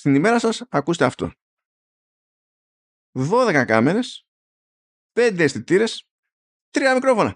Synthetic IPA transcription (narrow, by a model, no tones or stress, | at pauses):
st̪inime̞ɾɐsɐsɐkuset̪eɐft̪o̞̰ | ðo̞ðe̞kɐkɐ̰me̞ɾe̞s | pe̞nd̪e̞esθit̪iɾe̞s | t̪ɾiɐmikɾo̞fo̞nɐ̰